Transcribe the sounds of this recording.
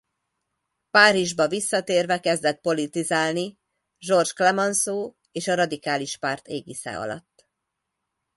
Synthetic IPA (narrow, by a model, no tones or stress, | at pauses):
paːɾiʒbɒvisːɒt̪eːrvɛkɛzd̪ɛt̪̚po̞lit̪izaːlni | ʒo̞rʒklɛmɒnsoː | eːʃɒɾɒd̪ikaːliʃpaːrt̪eːɡisɛ̰ːɒ̰lɒ̰t̪ː